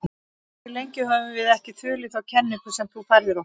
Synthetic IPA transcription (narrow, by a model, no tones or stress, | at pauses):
θɪlejɲcɪɦœːvʏvɪðɛhcɪt̪ʰʏːlɪθawcʰɛnːɪŋkʏsɛmt̪ʰufaɾðɪɾɔ